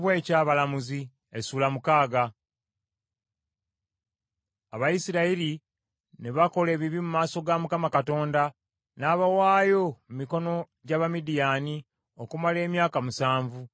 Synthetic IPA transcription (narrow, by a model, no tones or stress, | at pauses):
βwe̞ːcaːβalamuzi | esuːlamukaːɡa | aβajisiɾaiɾi | neβako̞le̞ːβiβimumaːso̞ɡamukamakato̞ːnda | naːβawaːjo̞mumiko̞no̞ | ɟaːβamidijaːni | o̞kumale̞ːmjaːkamusaːɱvu